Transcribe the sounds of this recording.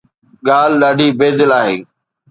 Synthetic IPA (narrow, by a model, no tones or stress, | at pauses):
ɠaːl̤ɗaːɖʱiːbeːd̪ɪlaːɦḛː